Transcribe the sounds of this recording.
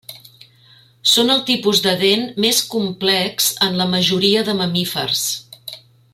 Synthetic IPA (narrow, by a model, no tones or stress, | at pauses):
sonəlˠt̪ipuzd̪əðenmeskumplɛkzənləməʒuɾiəðəməmifə̰rs